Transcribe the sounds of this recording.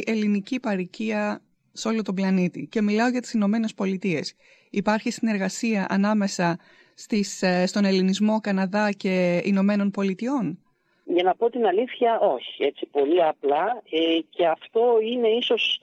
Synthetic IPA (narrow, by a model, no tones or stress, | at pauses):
ʔe̞linicipɐɾiciɐ | seo̞lo̞t̪oblɐnit̪ice̞milɐo̞ʝɐt̪i̥sino̞me̞ne̞spo̞lit̪ie̞s | ipɐɾçist̪ine̞ɾɣɐsiɐʔɐnɐme̞sɐ | st̪isst̪o̞ne̞linizmo̞kɐnɐðɐce̞ino̞me̞no̞npo̞lit̪io̞n | ʝɐnɐpo̞t̪inɐliθçɐʔo̞çie̞t̪sipo̞liɐplɐece̞ɐft̪o̞ine̞iso̞s